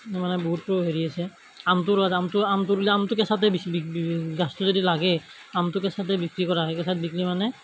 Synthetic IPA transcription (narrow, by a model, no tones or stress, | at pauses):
manɛboɦut̚poɦeɹiasɛ | amtʊɾazamtʊamtʊɾuliamtʊkɛsat̬ɛbibiɡastʊzodilaɡɛ | amtʊkɛsatɛbikɹikɔɹaɦɛkɛsat̚biklimanɛ